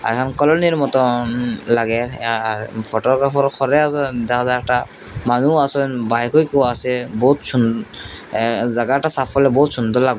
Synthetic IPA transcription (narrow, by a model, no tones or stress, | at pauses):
a̰ɛkʰankɔlɔniɾmɔt̪ɔlaɡɛaɹpʰɔʈɔɡɾafʰɔɾɔkʰɔɾɛasdɛkʰazaɛkʈa | manuasɔnbajkʰojkowasɛbɔɦut̪sun | zaɡaʈasapːɔlɛbɔɦut̪sund̪ɔɾlaɡɔ